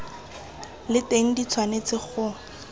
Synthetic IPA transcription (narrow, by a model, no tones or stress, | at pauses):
lɪteŋ̩dit͡sʰwanet͡sɪχʊ